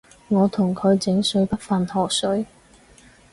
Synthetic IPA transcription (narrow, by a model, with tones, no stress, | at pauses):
ŋɔː˨˧t̪ʰʊ˨˩ŋkʰɵ˨˧ɥt͡sɪ˨˥ŋsɵ˨˥ɥpɐ˥t̚fɐ˨nhɔː˨k̚sɵ˨˥ɥ